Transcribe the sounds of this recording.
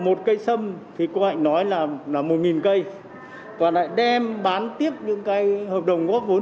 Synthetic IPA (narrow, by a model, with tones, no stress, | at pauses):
mo˨˩t̚kə˧jsə˧mt̪ʰi˨˩ko˨˦ha̰˧˨jŋnɔ˨˦jlaː˨˩laː˨˩mo˨˩t̚ŋi˨˩nkə˧j | kɔː˨˩la̰ː˧˨jɗɛ˧mɓaː˨˦nt̪i˦˥əp̚ɲɨ̰˧˥ŋkaː˨˦jhəː˨˩p̚ɗə˨˩wŋ͡mɣɔ˦˥p̚vo˨˦